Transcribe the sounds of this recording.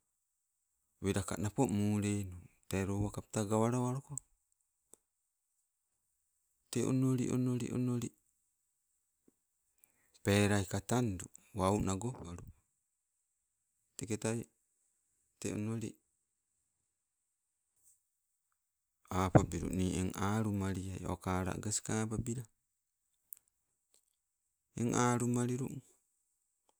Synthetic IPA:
βiɾaka̰napoʔmuːɾenutaɾowakap̚taɡawaɾaaɾoko | teʔo̰noɾḭʔo̰noɾḭʔo̰noɾi | peːɾaikatanduwaunaɡoaɾu | teketaj | tḛo̰noɾḭ | aːpabiɾṵʔniːʔeŋaːɾumaɾiajo̰kaːɾa̰ɡaskapabiɾa | ḛŋʔaːɾumaɾiɾṵ

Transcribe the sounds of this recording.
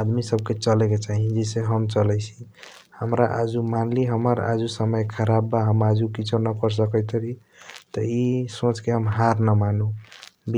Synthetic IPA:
ad̪misəb̚ket͡ʃəleket͡ʃaɦĩd͡ʒɛseɦəmt͡ʃəlɛjt͡ʃʰi̥ | həmɾaʔa̰d͡ʒumanliɦəməɾa̰d͡ʒusəməjkʰəɾabːaɦəmad͡ʒukit͡ʃʰonəpəɾs̬əkət̪ɾi | t̪əisõt͡ʃkeɦəmɦaɾnəmanub

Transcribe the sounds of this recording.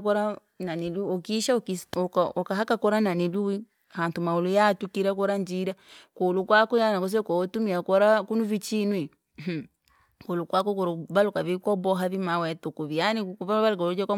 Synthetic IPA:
kɔɾa | naniluɔkiʃakiɔkɔkaɦakakɔɾananiluwi | hantumaulujatukiɾak̬ɔɾaɲd͡ʒiɾakolukwakɔjanakɔs̬ɛkɔɔtumiakɔɾakunuvit͡ʃinwi | kolukwakɔkɔɾɔbalukaβikɔbɔɦaðimawɛtukuβianikβaβalkɔɾud͡ʒaka

